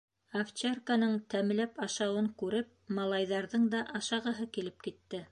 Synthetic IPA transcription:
aft͡ɕerkanɤɴt̪æm̆læpɑʃɑwɤŋkʉɾɘp̚ | mɑlˠɑjðɑɾðɤɴd̪ɑʔɑʃɑʁɤ̆ɦɤkilɘp̚kit̪ːɘ

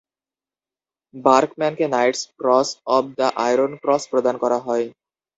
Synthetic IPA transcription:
baɾkmɛnkenajʈskɾɔsɔb̚d̪aʔajɾonkɾɔspɾod̪ankɔɾaɦɔe

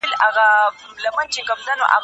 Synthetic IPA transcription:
ɪlʔaɣa | lɐmɐnt͡ʃɪŋɡɐbdano̰ʔa̰b

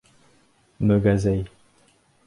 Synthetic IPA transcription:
məɡazɛj

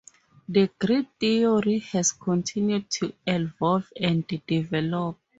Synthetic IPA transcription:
dəɡɹiθiɔɹihɛzkʰɔ̃ntʰĩnjud̚tʰuɛ̃nvɔlvɛ̃ndivɛlɔp̚

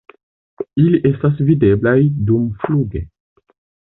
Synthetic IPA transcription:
iliʔe̞stas̬vide̞blajdumfluɡe

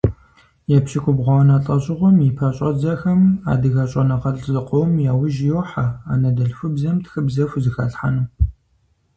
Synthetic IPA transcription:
jɛpɕikʷʼʊbʁʷɔwnaːɬʼɐɕʼɪʁʷɔmjipʰɐɕʼɐd͡zɐxɐma̰ːdɨɣɐɕʼɐnɐqɐɬʼzɨqʷowmjaːwɪʒɪjoħaa̰ːnɐdɐɬfɨbzɐmtʰxɨbzɐfʷzɨxɐ̰ɬħa̰nuː

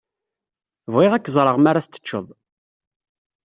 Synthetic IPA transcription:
vʁiʁækːzˤɾˤəʁmaɾaθːə̥t͡ʃːəðˤ

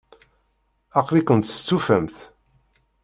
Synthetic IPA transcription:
ɑqlikʷənt̪ə̥t͡sːufæmθ

